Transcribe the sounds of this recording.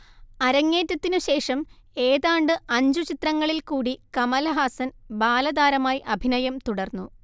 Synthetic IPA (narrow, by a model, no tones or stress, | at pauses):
ɐɾɐŋːe̞ːtːɐt̪ːinuɕe̞ːʂɐm | e̞ːðaːɳɖɨɐɲd͡ʑut͡ɕit̪rɐŋːɐɭilkuːɽikɐmɐlɐɦaːsɐnbaːlɐd̪aːɾɐmaːjiʔɐbʱinɐjɐmt̪uɽɐrnːu